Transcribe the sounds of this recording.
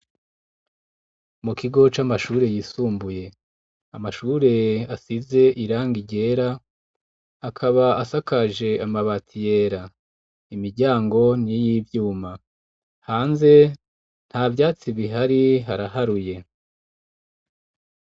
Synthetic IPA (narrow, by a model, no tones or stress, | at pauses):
mukiɡo̞t͡ʃamaʃuːɾe̞jisuːmbuje̞ | amaʃuːɾe̞asize̞ʔiɾaːŋɡiɟe̞ːɾa | kʰaβaasakaʒe̞ʔamaβatʰije̞ːɾa | imiɾɟaːŋɡo̞nijiːvjuːma | haːnze̞ | n̥haːvjaːt͡siβiɦaɾiɦaɾaɦaɾuje̞